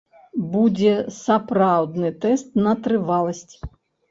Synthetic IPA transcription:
bud͡zʲɛsɐpɾawd̪nɨt̪ɛst̪nɐt̪ɾɨvalˠɐsʲt͡sʲ

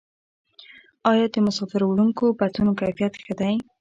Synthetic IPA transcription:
ɑjɑd̪əmʊsɑfɪɾawɽuŋkobat̪unokajfijat̪xəd̪aj

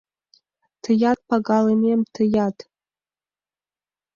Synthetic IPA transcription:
tʰɨjat̚ʼpʰaɡʼalanemtʰɨjatʰʼ

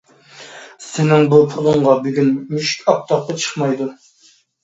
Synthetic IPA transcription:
sɪnɪŋbupʰʊlˠʊɴʁɑbyɡʲynmyʃkʲɑq̚t̪ʰɑqːɑt͡ʃʰə̥χmɑjd̪u

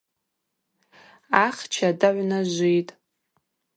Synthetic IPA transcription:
aχt͡ʃʰadaʕʷnaʒʷijtʼ

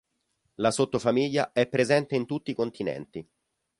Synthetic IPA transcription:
lasot̪ːofamiʎːa̰ɛpːɾezɛnt̪eint̪ut̪ːiːkont̪inɛ̰nt̪i

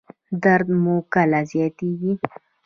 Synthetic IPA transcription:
d̪aɾd̪mukalazjɑt̪eɡi

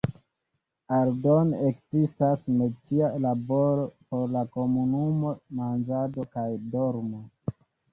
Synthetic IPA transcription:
aldonekzistasme̞tialabo̞ɾo̞po̞ɾlako̞munumo̞mand͡ʒado̞kajdoɾmo

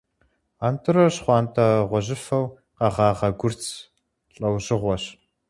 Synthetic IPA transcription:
aːntʰɨɾɐɕχʷɑːntʰɐʁʷɔʑɪfɐw | qɑʁɑːʁɐɡʷʊrt͡sʰ | ɬʼɐwʑɪʁʷɔɕ

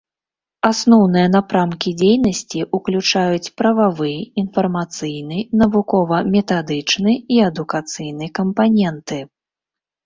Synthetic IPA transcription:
asnɔwnɨjɐn̪apɾamkʲid͡zʲejnɐsʲt͡sʲiʔuklʲut͡ʂajut͡sʲpɾɐvavɨjɛinfɐrmat̪sɨjnɨnɐvukɔvɐmʲɛt̪ad̪ɨt͡ʂnɨiɐd̪ukat̪sɨjn̪ɨjkɐmpanʲɛnt̪ɨ

